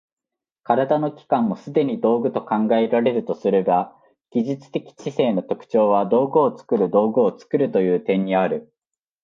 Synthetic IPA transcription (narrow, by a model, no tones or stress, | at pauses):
kaɾad̪ano̞kʲi̥kãmːo̞sɨd̪e̞ɲ̟id̪o̞ːɡɯ̟t̪o̞kãŋɡae̞ɾaɾe̞ɾɯ̟t̪o̞sɨɾeba | ɡ̥ʲiʑit͡sɨ̥t̪e̞kʲi̥t͡ɕise̞ːno̞t̪o̞kɯ̥t͡ɕo̞ːβ̞ad̪o̞ːɡɯ̟ːt͡sɨ̥kɯ̟ɾɯ̟d̪o̞ːɡɯ̟ot͡sɨ̥kɯ̟ɾɯ̟t̪o̞jɯ̟ːt̪ẽ̞ɲ̟ːiaɾɯ̟